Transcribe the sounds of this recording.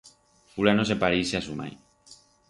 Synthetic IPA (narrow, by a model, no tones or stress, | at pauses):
fulanosepaɾijseasuma̰j